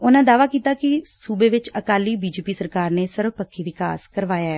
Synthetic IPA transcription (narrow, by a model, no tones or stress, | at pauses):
ʊnãːd̪aːʋaːkiːt̪aːkɪsuːbeːʋɪt͡ʃəkaːliːbiːd͡ʒeːpiːsəɾkaːɾneːsəɾbpəkʰːiːʋɪka̰ːskəɾʋaːjaːɛː